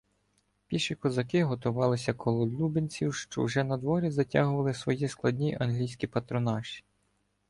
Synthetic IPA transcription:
pʲiʃikɔzɐkɪɦɔt̪ʊʋɑlˠɪsʲɐkʰɔlˠɔlʲubenʲt͡sʲiwʃt͡ʃɔ̰wʒɛnɐd̪ʋɔɾʲizɐtʲɑɦʊʋɐlˠɪsʋɔjisklˠɐdʲnʲiʔɐnɦlʲijsʲkʲipɐt̪ɾɔnɑʃi̥

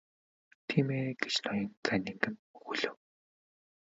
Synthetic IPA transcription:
t̪ʰiːmeːɡet͡ɕnɔjɞ̆nt͡sʰænʲĭŋkɘ̆nxuɮɘ̆w

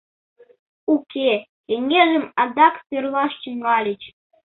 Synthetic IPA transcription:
uke | keŋeʒɘ̆mɑd̪ɑkt̪ørlˠɑʃt͡ɕəŋɡɑlʲɘ̆t͡ɕ

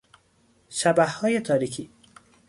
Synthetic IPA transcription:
ʃæbæhhɒːjet̪ʰɒːɾiːkʰiː

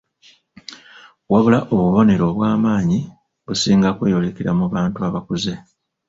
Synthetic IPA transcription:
waβulaʔoβuβo̞ne̞ɾo̞βwaːmaːɲi | βusiːŋɡakwe̞ːjo̞le̞kiɾamuβaːntuaβakuze

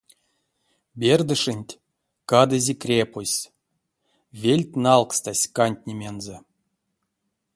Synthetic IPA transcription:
bʲerd̪ɨʂɨnʲtʲ | kad̪ɨzʲekrʲepusʲ | vʲelʲtʲnalˠkst̪asʲkanʲt̪ʲnʲemʲenzə

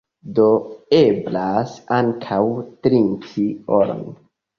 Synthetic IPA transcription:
doeblasaŋkʰawtɾinkioɾo̰n

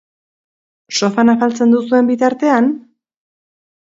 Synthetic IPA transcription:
so̞fanafalt͡se̞nd̪usue̞mbit̪aɾt̪e̞an

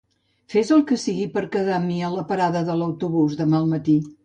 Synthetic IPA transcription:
fezəlˠkəsiɣipəɾkəðamiələpəɾaðəðələwt̪uβuzðəmalˠmət̪i

